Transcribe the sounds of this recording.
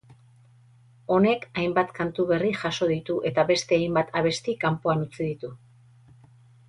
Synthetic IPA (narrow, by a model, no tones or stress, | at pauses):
o̞ne̞kajmbat̪kant̪uβe̞riʝaso̞ðit̪uʔe̞t̪aβe̞st̪e̞ajmbat̪ʰaβ̞e̞st̪ikampoanut͡siðit̪u